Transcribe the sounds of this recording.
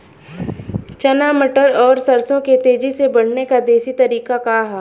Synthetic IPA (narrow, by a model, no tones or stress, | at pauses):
t͡ʃɐnaːməʈəɾɔːɾsɐɾsõket̪eːd͡ʒisebɐɽ̤nekad̪eːsit̪ɐɾiːkakaɦɛː